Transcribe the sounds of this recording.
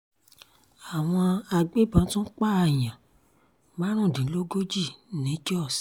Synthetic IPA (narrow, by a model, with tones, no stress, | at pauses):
a˨w̃ɔ̃˧a˧ɡ͡be˦˨bã˨˦tũ˦k͡pa˦˨a˧˨j̃ã˨ | ba˦ɾ̃ũ˦˨dĩ˨˦lo˦ɡo˦d͡ʒi˦˨nĩ˨˦d͡ʒɔ˦˨s